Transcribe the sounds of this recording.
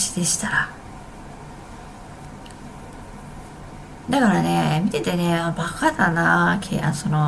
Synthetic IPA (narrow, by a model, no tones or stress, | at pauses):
ɕi̥d̪̥e̞ɕi̥t̪aɾa | d̪akaɾane̞mʲit̪e̞t̪e̞ne̞abakad̪anakʰḛa̰sono